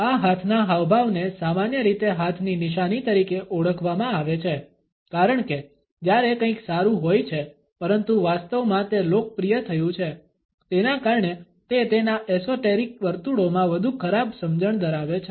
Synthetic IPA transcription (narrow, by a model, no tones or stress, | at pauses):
aɦat̪ʰnaɦaʋbʱaʋnesamanjəɾit̪eɦat̪ʰninɪʃanit̪əɾikeʔoɽəkʰʋamãaʋet͡ʃʰe | kaɾəɳke | d͡ʒjaɾekə̃ĩksaɾũɦojt͡ʃʰe | pəɾənt̪uʋast̪əʋmãt̪elok̚pɾijət̪ʰəjũt͡ʃʰe | t̪enakaɾɳe | t̪et̪enaʔɛsoʈeɾik̚ʋəɾt̪uɽomãʋəd̪ʱukʰəɾab̚səmd͡ʒəɳd̪əɾaʋet͡ʃʰe